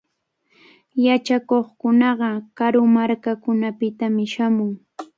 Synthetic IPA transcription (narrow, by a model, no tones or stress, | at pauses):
jat͡ʃakoχkʊnɑɢɑkaɾʊmaɾkakʊnapɪt̪amɪʃamʊŋ